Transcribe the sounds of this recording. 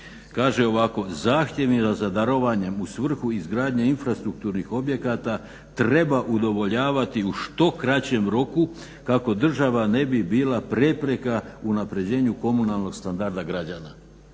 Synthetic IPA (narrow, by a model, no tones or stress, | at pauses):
kaːʒe̞o̞ʋako̞zaːxt̪ʲje̞ʋizazad̪aɾo̞ʋaɲe̞musʋr̩xuizɡɾaːd̪ɲeinfɾast̪ɾuk̚t̪uːɾnixo̞bje̞kat̪a | t̪ɾe̞baʔud̪o̞ʋo̞ʎaːʋat̪iuʃt̪o̞kɾat͡ɕe̞mɾo̞ku | kako̞d̪r̩ʒaʋane̞bibiːlapɾepɾe̞kaunapɾe̞d͡ʑe̞ːɲuko̞munalˠno̞ɡ̥st̪and̪aɾd̪aɡɾad͡ʑana